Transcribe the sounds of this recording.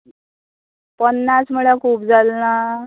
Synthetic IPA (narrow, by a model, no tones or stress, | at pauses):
pənːasm̤əɭakʰuːpd͡zalna